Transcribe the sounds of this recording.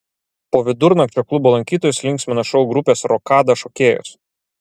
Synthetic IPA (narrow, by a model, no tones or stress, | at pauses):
poːʋʲɪd̪ʊɾnɐkt͡ʃʲoklˠʊboːlˠɐŋʲkʲiːt̪oːjʊslʲɪŋʲksʲmʲɪnɐʃɔʊɡɾʊpʲeːsɾɔkɑːd̪ɐʃokʲeːjʊ̰s